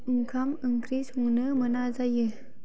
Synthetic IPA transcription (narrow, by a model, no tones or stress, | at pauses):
uŋkʰaməŋkɾisuŋnəmənazajə